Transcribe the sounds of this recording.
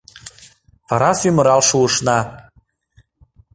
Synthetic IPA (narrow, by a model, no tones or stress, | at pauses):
pɑɾɑsymə̆ɾɑlʃuɤʃnɑ